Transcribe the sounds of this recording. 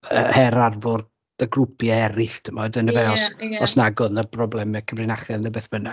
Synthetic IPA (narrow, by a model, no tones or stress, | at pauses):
ə̰hɛɾarvʊrd | əɡrʊpʰjaɛɾɪɬtʰəmɔdənəvɛɔsɔsnaɡɔðnab̥rɔblɛmɛkʰəvrɪnaχɛlˠnɛbeːθb̥əna